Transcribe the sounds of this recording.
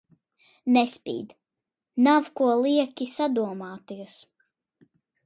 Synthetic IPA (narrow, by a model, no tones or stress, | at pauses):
nɛspʲḭːd̪ | nawkuɔlˠiɛkʲisad̪uɔmaːt̪ijɔs